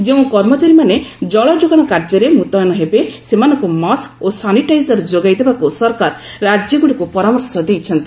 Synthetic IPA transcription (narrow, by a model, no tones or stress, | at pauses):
d͡ʒeũkɔɾmɔt͡ʃaɾimaned͡ʒɔɭɔd͡ʒoɡɔɽ̃ɔkaɾd͡ʒɔɾemut̪ɔjnɔɦebesemanɔ̃ŋkumaskosaniʈajzɔɾd͡ʒoɡajd̪ebakusɔɾkaɾː | ad͡ʒjɔɡuɽikupɔɾamɔɾsɔd̪ejt͡ʃʰɔnt̪i